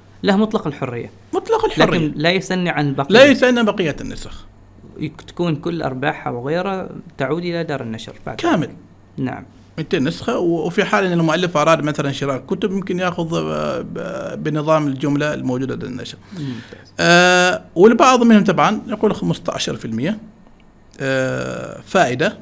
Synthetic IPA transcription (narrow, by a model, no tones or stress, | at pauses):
lahmʊt̪ˤlɑqɑlħʊrːɪ̰jːa̰ | mʊɑt̪ˤlɑqɑlħlʊarːɪɪlajʊsanːiʕanɪlbaqlajɪsanːabɑqɪjːanːʊsx | t̪ḁkuːnkʊlːʔɑ̰ɾˤbaːħa̰wɣeːɾat̪aʕuːd̪ʔɪlad̪ɑːɾˤɪnːaʃɾˤb̥a̰ʕd̪kaːmɪl | na̰ʕa̰m | mɪt̪eːnːʊsxawwfiħaːlʔɪnːɪlmʊʔalːɪfʔɑɾˤɑːd̪maθalanʃɪɾɑːʔkʊt̪ʊbjɪmkɪnjaːxʊð | bɪnɨðˤɑːmɪld͡ʒʊmlalmoːd͡ʒuːd̪ad̪a̰nːa̰ʃɾˤ | wɪlbɑʕðˤmɪnhʊmt̪ˤɑbʕɑnjɑquːlxamʊst̪ʕa̰ʃɑɾˤfɪlmɪjːa | faːʔɪd̪a